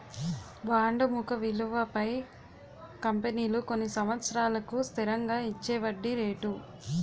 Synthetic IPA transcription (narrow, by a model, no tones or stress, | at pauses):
ʋaːɳɖɐmukɐʋiluʋɐpɐj | kɐmpeniːluko̞nːisɐmʋɐt̪sɐɾaːlɐkust̪ʰiɾɐŋɡaːit͡ʃːɛːʋɐɖːiɾeːʈu